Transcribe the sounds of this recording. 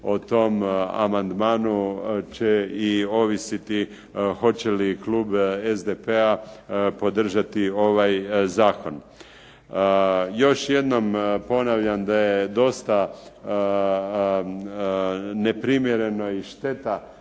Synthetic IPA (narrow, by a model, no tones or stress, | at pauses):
ot̪o̞ma̰mand̪maːnut͡ɕeio̞ʋisit̪i | xo̞t͡ɕelikluːbezd̪epeapo̞d̪r̩ʒat̪io̞ʋajzaːko̞n | jo̞ʃje̞d̪no̞mpo̞naʋʎand̪ajed̪o̞st̪a | ne̞pɾimjeɾe̞no̞iʃt̪e̞t̪a